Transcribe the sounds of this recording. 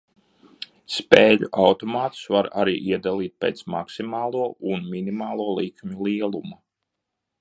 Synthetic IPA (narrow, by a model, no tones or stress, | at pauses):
speːʎṵʔawt̪ɔmaːt̪u̥svaɾa̰ɾiːʔiɛd̪alˠiːt̪̚pʲḛːt̪sma̰ksimaːlˠuɔʔunmʲinimaːlˠuɔlˠikmʲulˠiɛlˠuma